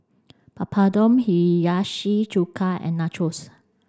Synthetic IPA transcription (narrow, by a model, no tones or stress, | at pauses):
papʰadɔ̃mhijaʃid͡ʒukʰaɛ̰̃nːat͡ʃʰos